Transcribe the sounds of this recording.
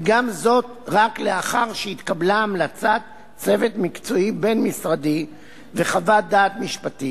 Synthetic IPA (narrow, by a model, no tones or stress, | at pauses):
ɡamzo̞t | ʁakleaχaʁʃeit̪kablaːmlat͡sat̪ | t͡se̞ve̞t̪mikt͡so̞ibe̞nmisʁadi | ve̞χavad̪aːt̪miʃpat̪i